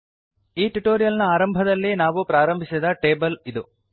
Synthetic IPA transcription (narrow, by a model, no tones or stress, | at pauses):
iːʈuʈoːɾijɐlnɐaːɾɐmbʱɐd̪ɐlːinaːʋupɾaːɾɐmbʱisid̪ɐʈe̞ːbɐlid̪u